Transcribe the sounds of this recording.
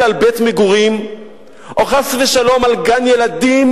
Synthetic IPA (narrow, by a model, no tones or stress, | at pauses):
albetmeɡuʁim | ʔoχasveʃalo̞malɡanjelad̪im